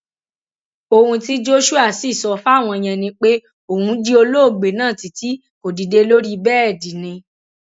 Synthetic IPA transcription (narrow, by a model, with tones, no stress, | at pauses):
o˧hũ˧ti˦d͡ʒo˦ʃu˦a˦˨si˦˨sɔ˧fa˦˨w̃ɔ̃˧j̃ɛ̃˧nĩ˧k͡pe˦ | o˨hũ˧˦d͡ʒi˦o˧lo˦o˦˨ɡ͡be˨nãː˦˨ti˨ti˦ | ko˨di˨de˧lo˦ɾi˦˧bɛː˦ɛ˦˨di˨nĩ˧